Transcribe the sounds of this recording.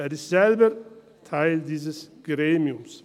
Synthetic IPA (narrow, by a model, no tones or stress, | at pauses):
æɐdizɛlbə | t̪ʰaɪld̪iːs̬əsɡ̥ɾeːmiʊms